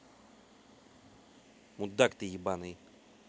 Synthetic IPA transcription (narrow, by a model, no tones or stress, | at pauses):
mud̪ːakt̪ijibanɨj